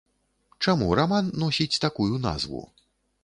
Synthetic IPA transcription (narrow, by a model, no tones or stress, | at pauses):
t͡ʂamuɾamanːɔsʲit͡sʲt̪akujuna̰zvṵ